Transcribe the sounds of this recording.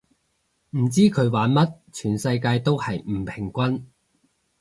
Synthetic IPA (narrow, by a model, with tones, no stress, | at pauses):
m̩˨˩t͡siː˥kʰɵ˨˧ɥwaː˨˧˥nmɐ˥t̚t͡ʃʰyː˨˩nsɐ˧jkaː˧jt̪o˥whɐ˨jm̩˨˩pʰɪ˨˩ŋkʷɐ˥n